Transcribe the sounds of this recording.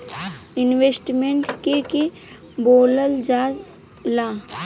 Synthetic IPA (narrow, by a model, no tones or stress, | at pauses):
ɪnʋesʈmeɳʈkeke | boːləld͡ʒaː | laː